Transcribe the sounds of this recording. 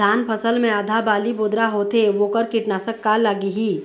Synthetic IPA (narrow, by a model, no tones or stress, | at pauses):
aːnpʰəsəlmẽəd̪ʱabaːliboːd̪ɾaɦoːt̪eʋoːkəɾkɪʈnaːsəkːalaɡiɦiː